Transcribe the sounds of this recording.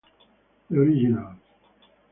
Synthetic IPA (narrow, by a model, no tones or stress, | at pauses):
oɾiʒinal